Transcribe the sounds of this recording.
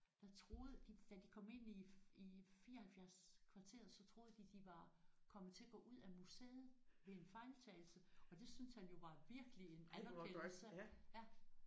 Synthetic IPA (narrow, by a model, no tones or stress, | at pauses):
d̥ɑ̈t͡sʰʁo̝ːðˠəd̥id̥æd̥ikʰɒ̽me̝n̰iifiːɐhælfjæɐskʰʋɑ̈t͡sʰe̝̰ɐð̩ˠsɒ̽t͡sʰʁo̝ːðˠd̥id̥iʋɑ̈kʰɒ̽mð̩ˠt͡sʰe̝ɐɡ̥ɔ̰̽ːʔuð̰ˠæmusḛːð̩ˠʋe̝enfɑ̈ɪlmbt͡sʰɛːl̩səɒ̽d̥e̝synshænjo̝ʋɑ̈ʋiɐɡ̥əlie̝nænkʰesəæ